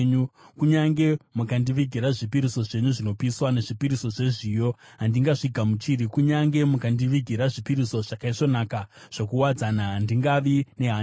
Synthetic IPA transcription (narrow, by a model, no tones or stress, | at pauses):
ɲukuɲaŋɡe̞mukandiʋiɡʱiɾaʐipiɾiso̞ʐe̞ɲuʐino̞piswane̞ʐipiɾiso̞ʐe̞ʐijo̞ | ɦandiŋɡaʐiɡʱamut͡ʃiɾikuɲaŋɡe̞mukandiʋiɡʱiɾaʐipiɾiso̞ʐ̥akaiʂo̞nakaʐ̥okuwad͡zanaɦandiŋɡaʋine̞ɦa